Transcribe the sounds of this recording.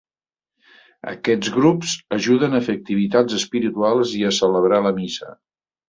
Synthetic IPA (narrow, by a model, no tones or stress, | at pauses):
ə̰kɛd͡zɣɾupzəʒuðənəfək̚t̪iβit̪ad͡zəspiɾit̪ualˠziəsələβɾaləmisə̰